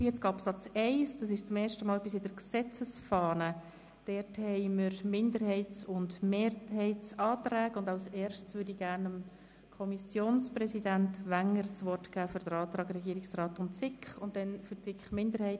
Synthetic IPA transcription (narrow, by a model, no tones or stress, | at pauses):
jɛt͡sɡ̥ɑpsɑt͡sɛɪsd̥ɑsɪʃt͡sʊmɛːɾʃtəmɑːlbɪsɪd̥əɾksɛt͡səsfɑːnə | d̥ɛrthɛɪməɾmɪndəɾɦɛɪt͡sʊndmeːɾhɛɪt͡sɑːtræːɡ̥əʊndɑʊsɛːɾʃtt͡sʋʏːdiɡ̥æɾnəm | kʰɔmisjoːnsprɛsidæntʋæŋːəɾt͡sʋɔrtɡ̥æːfʏɾd̥əɾɑːtɾɑːɡrɛɡiːəɾɪksrɑːtʊnt͡sɪkχʊnt̚dɛnfʏɾt͡sɪkχmɪndəɾhɛɪ